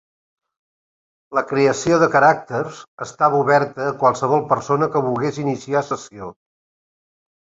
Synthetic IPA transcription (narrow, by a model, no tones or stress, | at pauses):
ləkɾeəsioðəkəɾak̚t̪ərzəst̪aβəuβɛɾt̪əːkwalˠsəβɔlˠpəɾsonəkəβulˠɣezinisiasəsio